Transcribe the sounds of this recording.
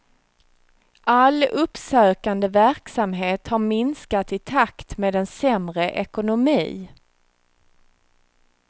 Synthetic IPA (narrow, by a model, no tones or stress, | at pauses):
ʔalɵpsøːkand̪əvæɾksamɦeːt̪haɾmɪnskat̪ɪt̪ʰakt̪meːd̪ɛnsɛmɾəʔɛkʊnʊmḭː